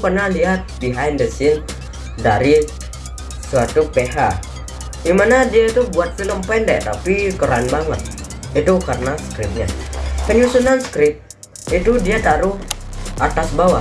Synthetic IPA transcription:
pərnahliɦat̪̚biɦajndəsɪn | daɾi | suat̪upeɦa | dimanadiait̪ubuat̪̚filəmpɛndɛ̰ʔt̪apikəɾanbaŋət̪̚ | it̪ukarənaskɾɪp̚ɲa̰kəɲusunansə̥kɾɪp̚ | it̪udiat̪aɾuʔat̪asbawa

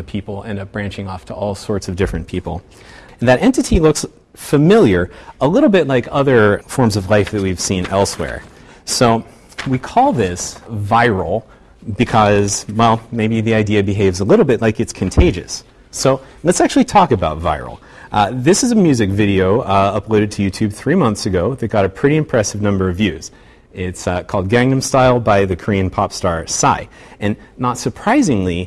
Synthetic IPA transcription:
ɨpʰipl̩ˠɛ̃nʌb̥ɹæ̃nt͡ʃɪ̃ŋɔftʰəʔɔlˠsɔɹtsʌvdɪfɹɨ̃npʰipl̩̃ˠ | n̩ðɨɾʔɛ̃ntɨɾilʊks | fɨmɪlˠjə˞əlɪɾl̩ˠbɪt̚ˡlaɪkʰʌðə˞fɔɹmzʌvlaɪfðɨt̚wiv̥sĩnɛ̰lˠswɛ̰ɹ | soʊ | wikʰɔlˠðɪsvaɪɹl̩ˠ | bɨkʰʌz̥wɛlˠmeɪbiðiaɪdiɨbɨɦeɪvzəlɪɾl̩ˠbɪtˡlaɪkɨtskʰɨ̃ntʰeɪd͡ʒɨ̰sː | oʊlətsæk̚t͡ʃʉl̩ˠitʰɔkɨbaʊtva̰ɪɹl̩ˠ | ðɪsɨzɨmjʉzɨkvɪɾioʊʌploʊɾɨd̚tʰɨjʉtʰʉb̚θɹimʌ̃nθsɨɡoʊðɨt̚ɡ̥ɑɾɨpʰɹ̥ɪɾiɨ̃mpʰɹ̥ɛsɨvnʌ̃mbə˞ʌvjʉz̥ | ɪtskʰɔlˠd̚ɡæ̃ŋnɨ̃mstaɪlˠbaɪðɨkʰɹ̥ĩnpʰɑpstɑɹsa̰ɪ | ɨ̃nːətsə˞pʰɹ̥aɪzɪ̃ŋli

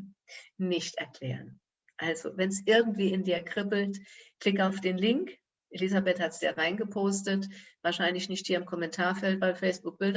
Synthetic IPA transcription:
nɪçtɛɐkʰl̥ɛ̰ːʁ̞ən | ʔalzo̰vɛnsʔɪɐɡŋ̩tv̥iːɪndiːɐkʁ̥ɪbl̩tkl̥ɪkaʊfd̥eːnlɪŋk | ʔelizabɛthatsd̥ḭːʁaɪnɡəpʰoːstətvaːɐʃaɪnlɪçnɪçthiːɐɪmkʰɔmɛntʰaːɐfɛltv̥aɪlfɛɪsb̥ʊk̚b̥ɪld

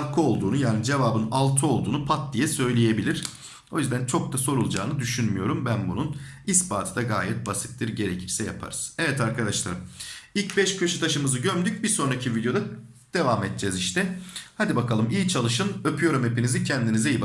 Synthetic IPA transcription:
kʰɯo̞lˠd̪uːnujaːnid͡ʒe̞vaːbɯnalˠt̪ʰɯo̞lˠd̪uːnupʰat̪̚d̪ijɛsø̞jlʲeje̞bilʲiɾ̥ | o̞jyzd̪ænt͡ʃʰo̞k̚t̪aso̞ɾulˠd͡ʒaːnɯd̪yʃynmyjo̞ɾumbænbunun | ispaːt̪ʰɯd̪aɡaːjɛt̪̚basɯ̥t̪̚t̪ːɯɾɟe̞ɾecʰiɾsɛja̰pʰa̰ɾɯz̥ɛvɛt̪ʰaɾkʰad̪aʃlˠa̰ɾɯmilʲcbɛʃcʰø̞ʃut̪ʰaʃɯmɯzɯɟømd̪yc̚biɾso̞nɾacʰivid̪ejod̪a | d̪̥e̞vaːmɛt̪̚d͡ʒɛziʃt̪ʰɛhad̪ibakʰalˠɯmijit͡ʃʰalˠɯʃɯnøpʰyjo̞ɾume̞pinizicʰɛnd̪inizɛjib

